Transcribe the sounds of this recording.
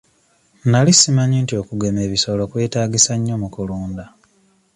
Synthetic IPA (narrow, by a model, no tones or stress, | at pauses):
nalisimaɲiːntio̞ːkuɡe̞meːβisolokwe̞ːtaːɡisaɲːo̞mukuluːnda